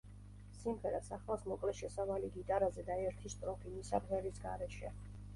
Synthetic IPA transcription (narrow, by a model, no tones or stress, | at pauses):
simʁɛɾasaχlˠasmɔkʼlɛʃɛsavaliɡit̪ʼaɾazɛd̪aɛɾt̪ʰist̪ʼɾɔpʰimisabʁɛlisɡaɾɛʃɛ